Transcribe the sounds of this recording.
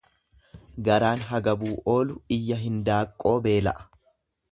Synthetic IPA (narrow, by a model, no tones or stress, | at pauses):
ɡɐɾaːnɦɐɡɐbuːʔo̞ːlʊɪjːɐɦɪnd̪aːkʼːo̞ːbe̞ːlɐ̰ʔɐ̥